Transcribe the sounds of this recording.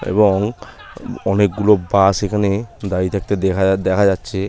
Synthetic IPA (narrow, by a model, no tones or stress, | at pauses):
ḛbɔŋ | ɔnek̚ɡulobasekʰaned̪ait̪ʰak̚t̪ead̪ɛkʰad͡ʑatːʃʰe